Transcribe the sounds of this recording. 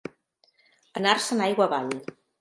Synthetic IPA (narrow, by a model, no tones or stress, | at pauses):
ənarsənajɣwəβaʎ